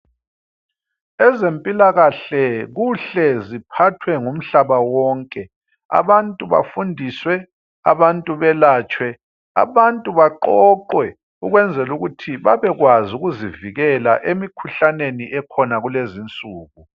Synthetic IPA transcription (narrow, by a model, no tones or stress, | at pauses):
ɛzempʼilaɣaɬɛɣuɬɛzipʰatʰwɛŋum̩ɬaβawɔːŋkʼɛ | a̰βantʼuβa̰fundʱiːswɛ | a̰βantʼuβɛlaːt͡ʃʼwɛ | a̰βantʼuβaǃɔǃwɛ | uɣwɛnd͡zʱɛluɣutʰiβaβɛɣwazuɣuziviɣɛla̰ʔemikʰuɬaneniʔɛkʰɔnaɣulezint͡sʼuːɣu